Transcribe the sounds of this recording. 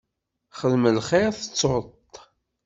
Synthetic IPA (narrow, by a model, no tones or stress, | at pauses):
χəðməlχeθə̥t͡sːot̪